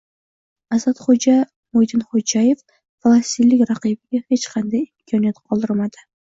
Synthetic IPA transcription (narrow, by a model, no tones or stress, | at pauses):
azat̪χod͡ʒa | mojd̪ɪnχod͡ʒaje̞f | falˠast̪ilːɪkʲɾaqibɪɡʲahe̞t͡ʃqʰɑnd̪ajɪmkʰɒnijat̪qʰɒlˠd̪ɪɾmad̪ɪ